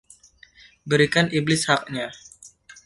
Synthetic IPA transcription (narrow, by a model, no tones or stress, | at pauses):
bəɾikaniblɪshak̚ɲa